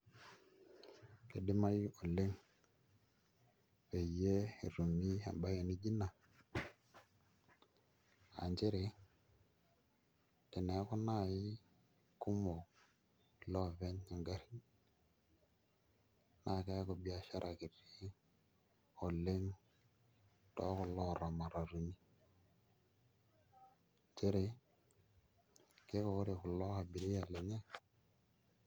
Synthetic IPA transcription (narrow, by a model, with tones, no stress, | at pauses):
ke˨di˦ma˦jo˨le˦ŋ | pe˨je˦ḭ˨ɾu˨mi˦a̰˨mba˦ja˨ni˦d͡ʒi˦na˨ | a̰˨nt͡ʃe˦ɾe˨ | te˨ne˨˦ko˦na˦˨i˦ | ku˦mo˨ | lɔ˦˨ve˦ni˨ŋɡa˦ɾi˦ | na˨kɛ˦kɔ˨bi˨a˦ʃa˦ɾʔa˨ki˨ri˦ | ɔ˨le˦ŋ | tɔ̰˦kʊ˨lɔ˦˨ɾa˨ma˨ɾa˨ɾu˨ni˦ | t͡ʃe˦ɾe˨ | ke˦kɔ˨ʊ˦ɾe˨kʊ˨lɔ˦ka˨bi˨ɾi˦a˨le˨ɲɛ˦